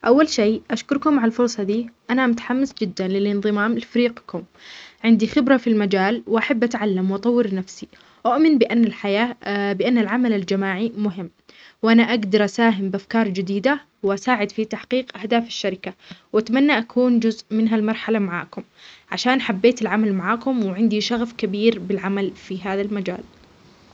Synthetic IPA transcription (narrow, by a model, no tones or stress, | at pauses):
ʔawːalʃeːʔaʃkʊɾkʊmaʕaalfʊɾˤsˤɑd̪iːʔanamʊt̪ḁħamːɪsd͡ʒɪd̪ːanlɪlʔɪnðˤɨmaːmɪlfaɾiːqkʊm | ʕɪnd̪ixɪbɾˤafilmad͡ʒaːlwʔaħabːʔat̪ʕalːamwʔɑt̪ˤɑwːɪɾnafsi | ʔʊʔmɪnbɪʔanːalħajaːbɪʔanːalʕamalald͡ʒamaːʕimʊɦɪmː | wʔanaʔaɡd̪ɑɾˤʔasaːɦɪmbɪʔafkɑːɾˤd͡ʒɪd̪iːd̪a | wʔasaːʕɪd̪fit̪aħqiːqʔahd̪aːfḁʃːaɾɪkawʔat̪manːaʔakʰuːnd͡ʒʊzʔmɪnɦalmɑɾˤħalamaʕa̰ːkʊmʕaʃaːnħabːeːt̪ɪlʕamalmaʕaːkʊmwɪʕɪnd̪iʃaɣfkabiːɾbɪlʕamalfiɦaːðalmad͡ʒa̰ːl